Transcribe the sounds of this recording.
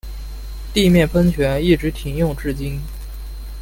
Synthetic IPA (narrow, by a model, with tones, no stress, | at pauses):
t̪i˥˧mjɛ˥˩nfʰə˥nt͡ɕʰɥɛ˧˥ni˥˩ʈ͡ʂɻ̩˧˥t̪ʰi˧˥ŋjʊ˥˧ŋʈ͡ʂɻ̩˥˩t͡ɕi˥n